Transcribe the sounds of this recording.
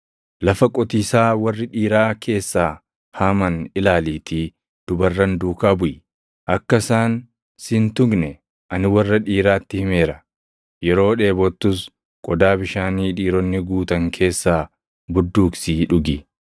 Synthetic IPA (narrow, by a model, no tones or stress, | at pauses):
lɐfɐkʼɔt̪iːsaːwɐrːɪᶑiːɾaːkʰe̞ːsːaː | haːmɐnɪlaːliːt̪ʰiː | d̪̥ʊbɐrːɐnd̪uːkaːbʊʔ | ʔɐkːɐsaːn | sɪnt̪ʊɡnɛ | ʔɐnɪwɐrːɐᶑiːɾaːt̪ːɪhɪme̞ːɾɐ | jɛɾo̞ːᶑe̞ːbɔt̪ːʊs | kʼɔd̪aːbɪʃaːniːᶑiːɾɔnːɪɡuːt̪ɐŋkʰe̞ːsːaː | bʊd̪ːuːksiːᶑʊɡɪ